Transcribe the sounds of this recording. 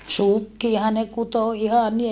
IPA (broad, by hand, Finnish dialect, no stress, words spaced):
sukːiɑhɑ ne kuto ihɑ ni